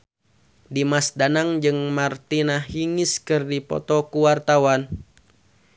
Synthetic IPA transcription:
dimasdanaŋd͡ʒɨŋmart̪inahɦiŋiskɨrdipɔ̰t̪ɔkuwart̪awan

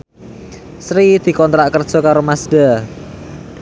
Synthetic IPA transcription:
sɾid̪̥i̤kɔnt̪ɾaʔkərd̥ʒ̥ɔ̤kaɾomasd̪̥a

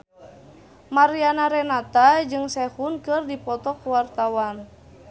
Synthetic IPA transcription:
maɾianaɾɛnat̪ad͡ʒɨŋsɛhunkɨrdipɔt̪ɔkuwart̪awan

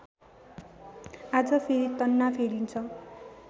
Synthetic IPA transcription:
ad͡zʌpʰeɾit̪ʌnːapʰeɽint͡sʰʌ

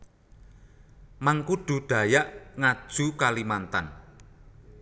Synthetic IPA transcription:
maŋkuɖ̥ṳɖ̥a̤jaʔŋad̥ʒ̥ṳkalimant̪an

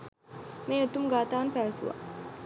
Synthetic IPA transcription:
meːot̪umuɡaːt̪aːʋɐnpæʋɐsuʋa̰

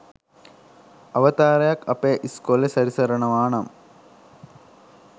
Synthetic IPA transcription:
ɐʋɐt̪aːɾɐjaːkɐpːeːʔiskolesɐɾisɐɾɐɳɐmaːnɐm

